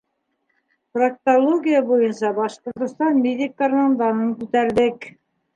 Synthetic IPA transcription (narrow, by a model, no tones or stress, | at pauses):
prak̚t̪olˠoɡʲijabujɤnsɑbɑʃqŏɾt̪ŏst̪ɑnmʲed̪ʲɪkːɑrnɑnd̪ɑnɤŋkʉt̪æɾðɘk